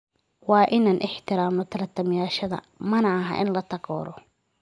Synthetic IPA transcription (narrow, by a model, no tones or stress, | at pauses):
wɑːʔɪnaːnʔɪħt̪ʰɪɾaːmnɔt̪ʰɐɾɐt̪ʰɐmɪjaːʃɐðɐ̰ | mɐnɐɐɦɐ̰ʔɪnlɐt̪ʰɐɣɔ̰ːɾɔ